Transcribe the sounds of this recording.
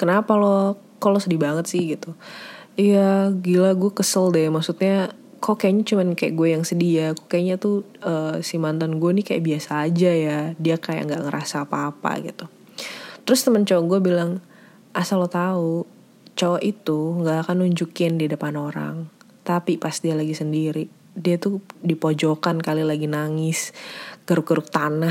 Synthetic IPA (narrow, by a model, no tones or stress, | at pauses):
kənapalo | kalosədibaŋət̪sɪhɡit̪uijaɡilaɡuakəsəldɛmaksut̪̚ɲa | kokaɲat͡ʃumankajaʔɡuajaŋsədiakokaɲat̪u | ʔəːsimant̪anɡuanɪkaja̰ʔbiasaːd͡ʒajadiakaja̰ʔŋɡaʔŋəɾʔasaːpaːpa̰ɡḭt̪u | t̪əɾʊst̪əmənt͡ʃowaɡuabilaŋ | ʔasalot̪au | t͡ʃowaʔit̪uŋɡaʔːkanuɲd͡ʒukɪndidəpanoɾa̰ŋ | t̪apipast̪ialaɡisəndiɾi | diat̪udipod͡ʒokankalilaɡinaŋɪsɡ̥əɾʊk̚ɡəɾʊk̚t̪ana